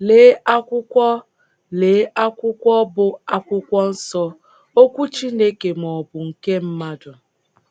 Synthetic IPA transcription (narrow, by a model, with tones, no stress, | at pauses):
leː˨˦ʔa˦kʷʊ˦kʷɔ˦ | le˨˦a˦kʷʊ˦kʷɔ˦bʊ˦a˦kʷʊ˦kʷɔ˦n̩˦sɔ˦ | o˦kʷu˦t͡ʃi˦ne˦ke˨m˨ɔ˨bʊ˨ŋ̩˨ke˦m̩˦ma˦dʊ˨